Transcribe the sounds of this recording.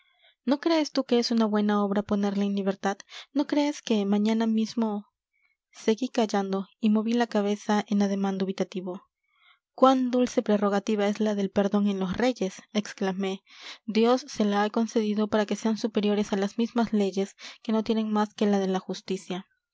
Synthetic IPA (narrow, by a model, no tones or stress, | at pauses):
no̞kɾe̞ːst̪uke̞esunaβwe̞nao̞βɾapo̞ne̞ɾlaenliβ̞e̞ɾt̪ad̪no̞kɾe̞ːske̞mãɲanamizmo̞ | se̞ɣikaʝand̪o̞imo̞βilakaβ̞e̞saʔe̞naðe̞mãnd̪uβit̪at̪iβo̞ | kwand̪ulse̞pɾero̞ɣ̞at̪iβae̞zlaðe̞lpe̞ɾðo̞ŋe̞nlo̞sre̞ʝe̞seksklame̞d̪jo̞sːe̞laako̞nse̞ðiðo̞paɾake̞se̞ansupe̞ɾjo̞ɾe̞salazmizmazle̞ʝe̞ske̞no̞t̪je̞ne̞ŋmaske̞laðe̞laxust̪isja